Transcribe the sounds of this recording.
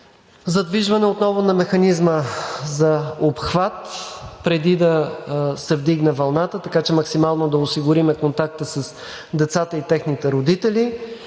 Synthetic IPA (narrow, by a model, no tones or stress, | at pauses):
zɐd̪viʒvɐnɛot̪nɔvʊnɐmɛxɐnizməzɐopxvat̪pɾɛd̪id̪ɐsɛvd̪iɡnɛvɐlˠnat̪ət̪ɐkat͡ʃɛmɐksimalˠnod̪ɐʊsiɡʊɾimɛkont̪ak̚t̪əsɐs | d̪ɛt̪sat̪əit̪ɛxnit̪ɛɾod̪it̪ɛli